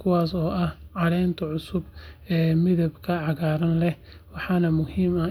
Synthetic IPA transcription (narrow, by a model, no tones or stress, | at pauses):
kʰʊwaːsɔːʔɐhʕɑɽɛjnt̪ʰɐʕʊsʊbɛːmɪðɐbkʰɐʕɑɣaːɾɐnlɛh | wɑħɑːnɐmʊhiːmɐ